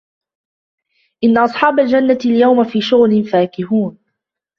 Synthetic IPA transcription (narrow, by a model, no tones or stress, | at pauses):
ʔɪnːaʔɑsˤħɑːbald͡ʒanːaljawmafiːʃʊɣlɪnfaːkɪɦuːn